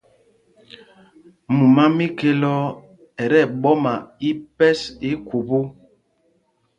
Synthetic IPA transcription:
mu˨ma˦mi˦ke˦lɔ˦ | ɛ˨ɾɛ˦˨ɓɔ˦ma˨i˦pɛ˦si˦ku˨bo˦

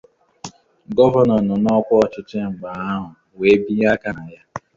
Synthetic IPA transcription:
ɡɔ˦va˨nɔ˨nɔ˨nɔ˦kʷɔ˦ɔ˨t͡ʃɪ˦t͡ʃɪ˦ŋ͡m̩˨ɡ͡ba˨a˦ɦʊ˨ | we˨˦bi˦ja˦ka˨na˨ja˦

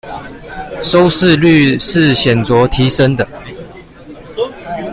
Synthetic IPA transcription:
ʂo˥˦ʊʂɻ̩˥˧ly˥˨ʂɻ̩˥˨ɕjɛ˨˩nt͡swɔ˨˦t̪ʰi˨˦ʂə˦ŋd̪ə˨

